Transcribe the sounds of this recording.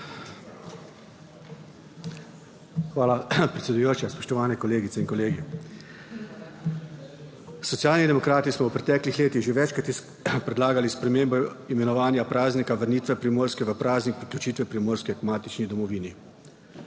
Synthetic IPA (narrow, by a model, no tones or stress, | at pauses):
xʋaːlapɾɛt̪sʲɛd̪ujoːt͡ʃaspɔ̥ʃt̪ɔʋaːnɛkɔleːɡit̪sɛinkɔleːɡi | sɔt̪sijaːlnid̪ɛmɔkɾaːt̪ismɔwpɾɛt̪ɛːklixleːt̪iɣʒeʋɛt͡ʃkɾat̪s | pɾɛd̪laːɡalispɾɛmeːmbɔimɛnɔʋaːnjapɾaːznikaʋəɾniːt̪ʋɛpɾimoːɾskɛʋəpɾaːznik̚pɾiklʲut͡ʃiːt̪ʋɛpɾimoːɾskiakmaːt̪it͡ʃnid̪ɔmɔʋiːni